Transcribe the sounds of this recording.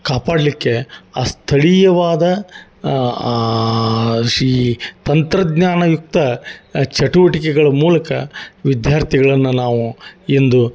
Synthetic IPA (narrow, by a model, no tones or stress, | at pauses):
kaːpaːɖlikːe̞aːst̪ʰɐɭijɐʋaːd̪ɐ | iːt̪ɐnt̪ɾɐd̪ɲaːnɐjuk̚t̪ɐt͡ʃɐʈuʋɐʈikɛɡɐɭɐmuːlɐkɐ̰ʋid̪jaːɾt̪ʰiɡɐɭɐnːunaːʋuend̪u